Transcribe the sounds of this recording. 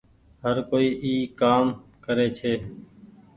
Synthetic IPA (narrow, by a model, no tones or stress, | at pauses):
ɦəɾkoːiːʔiːkaːmkəɾeːt͡ʃʰeː